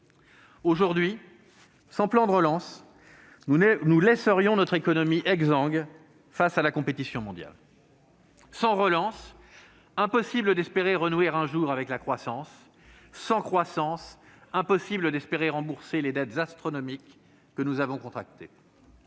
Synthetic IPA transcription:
oʒuʁd̪ɥi | sɑ̃plɑ̃d̪əʁəlɑ̃s | nulɛsəʁjɔ̃nɔt̪χekɔnɔmiʔɛɡzɑ̃ɡl | fasalakɔ̃pet̪isjɔ̃mɔ̃d̪ja̰l | sɑ̃ʁəlɑ̃s | ɛ̃pɔsibləd̪ɛspeʁeʁənweʁɛ̃ʒuʁavɛklakχwasɑ̃sː | ɑ̃kχwasɑ̃sɛ̃pɔsibləd̪ɛspeʁeʁɑ̃buʁseled̪ɛt̪zast̪χɔnɔmikː | ənuzavɔ̃kɔ̃t̪χak̚t̪e

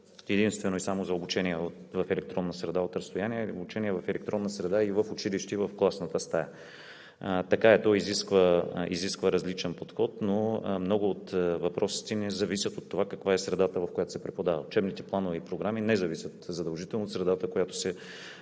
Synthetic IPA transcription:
ɛd̪inst̪vɛnoisamozɐobut͡ʃɛniɛot̪vɐfɛlɛk̚t̪ɾɔnːəsɾɛd̪aot̪ɾɐst̪ojaniɛo̰but͡ʃɛniɛvɐfɛlɛk̚t̪ɾɔnːəsɾɛd̪aivɐfʊt͡ʃiliʃt̪ivɐfklˠasnət̪əst̪aja | t̪ɐkaɛt̪ɔiziskvəḭziskvəɾɐzlit͡ʃɛnpot̪xɔt̪nomnɔɡʊːt̪vɐpɾɔsi̥t̪ɛnɛzɐvisʲjət̪ot̪ːovakɐkvaɛsɾɛd̪at̪əvɐfkojat̪o̥sɛpɾɛpod̪avəʊt͡ʃɛbnit̪ɛplˠanovɛipɾoɡɾaminɛzɐvisʲjət̪zɐd̪ɐlˠʒit̪ɛlˠnot̪sɾɛd̪at̪əkojat̪o̥sɛ

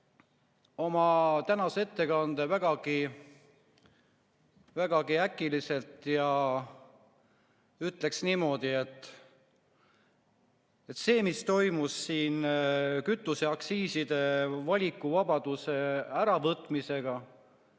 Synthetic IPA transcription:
o̞mɑt̪ænɑsee̞t̪ːe̞kɑnd̪evæɡ̥ɑɡ̥i | væɡ̥ɑɡ̥iækːˑilise̞lt̪jɑ | yt̪ːˑle̞ksniːmo̞ːd̪̥ie̞t̪ˑː | e̞t̪ːse̞ːmist̪o̞jmusːiːnkyt̪ˑːuse̞ɑksiːsid̪e̞vɑlʲikːˑuvɑbɑd̪̥use̞æɾɑvɤt̪ːˑmise̞ɡ̥ɑ

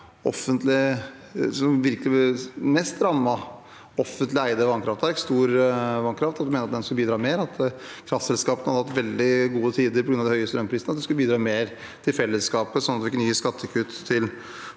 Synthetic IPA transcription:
ɔfːənt̪lɪ | sɔmʋɪɾkəlɪmɛst̪ɾɑmːɑ | ɔfənt̪lɪæɪd̪əʋɑŋkʰɾɑft̪æɾɪkst̪uːɾʋɑŋkʰɾɑft̪ɑt̪d̪ʉmeːnəɾɑt̪d̪ɛnsklbiːd̪ɾɑːmeːɾɑt̪ʰkʰɾɑft̪sɛlskɑːpənəhɑd̪ɾhɑt̪ːʋɛld̪ɪɡuːət̪ʰiːd̪əɾpɔɡɾʉnɑd̪ɛhœʏəst̪ɾœmpʰɾiːsnəɑt̪d̪ɛskʉləbiːd̪ɾɑːmeːɾ | t̪ʰɪlfɛlːəskɑːpəsɔnɑt̪ɛɪkːnyːəskɑt̪ʰːəkʰʉt̪ʰːɪl

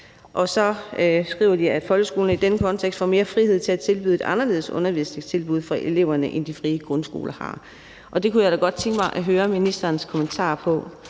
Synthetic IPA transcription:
ʔɒ̽sɒ̽sɡ̥ʁḭːʊɐd̥iæd̥fɒ̽lɡ̥əsɡ̥o̝ːln̩id̥enəkʰɒ̽nt͡sʰeɡ̥sd̥fɒ̰me̝ːɐfʁiheð̞̰ˠt͡sʰe̝æt͡sʰe̝lb̥yðˠe̝dɑ̈nɐle̝ðˠsɔ̽nɐʋisleɡ̥t͡sʰe̝lb̥uð̞̰ˠfʁɑ̈ʔele̝ʊɐnəʔend̥ifʁiːəɡ̥ʁɔnsɡ̥o̝̰ːlʔɐhɑ̰̈ | ʔɒ̽d̥e̝kʰujad̥æɡ̥ɒ̽d̥̚t͡sʰeŋɡ̥əmɑ̈ɪʔɒɦøːɐminisd̥ɐːnskʰɒ̽mənt͡sʰɑ̰̈ːpʰɒ̽

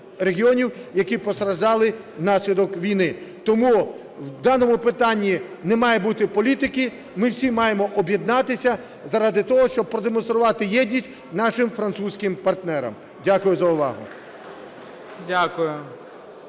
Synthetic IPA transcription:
reɦʲiɔnʲiwjɐkipɔst̪ɾɐʒd̪ɑlˠɪ | nɑsʲlʲid̪ɔkʋʲijnɪt̪ɔmu | wd̪ɑnɔmʊpɪt̪ɑnʲːinɛmɑjɛbut̪ɪpɔlʲit̪ɪkɪ | mɪwsʲimɑjemɔʔɔbʲjed̪nɑt̪ɪsʲɐ | zɐɾɑd̪ɪt̪ɔɦɔʃt͡ʃɔb̚pɾɔd̪emɔnst̪ɾʊʋɑt̪ɪjɛd̪ʲnʲisʲt̚ʲ | nɑʃɪmfɾɐnt̪susʲkɪmpɐrt̪nɛɾɐ̰m | dʲakʊjʊzɐʊʋɑ̰ɦʊ̰ | dʲakʊjʊ

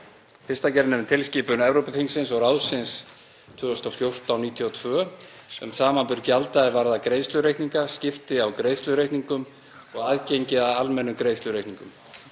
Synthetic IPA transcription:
fɪ̥st̪acɛɾnɛvʏnt̪ʰɪlsciːpʏnɛvɾowpʏθiŋsɪnsɔɣɾaːwsɪns | t̪ʰvʏːʏst̪ɔfjowr̥t̪awniːt̪ʰjiɔt̪ʰvœː | ɛmsaːmapʏɾcɪalt̪aɛvaɾðakɾejðst̪ʏɾejht̪niŋkascɪft̪ɪawkɾejðst̪lʏɾejh̪t̪niŋkʏm | ɔɣaːðcejɲcɪaalmɛnːʏkɾejðslʏɾejht̪niŋkʏm

